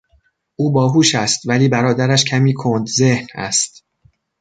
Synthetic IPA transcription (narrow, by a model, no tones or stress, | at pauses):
ʔuːbɒːɦuːʃæst̪væliːbæɾɒːd̪æɾæʃcʰæmiːkʰond̪ze̞hnæ̰st̪̚